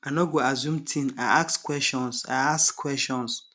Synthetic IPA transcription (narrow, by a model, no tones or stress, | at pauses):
anɔ̃ɡoazũmtʰĩnaakskʰwɛsʃɔ̃nsa̰askʰːwɛstɔ̃ns